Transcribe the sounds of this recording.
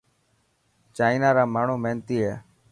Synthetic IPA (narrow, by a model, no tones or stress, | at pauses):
t͡ʃaːɪnaːɾaːmaːɳ̤uːmeːnt̪iːɦeː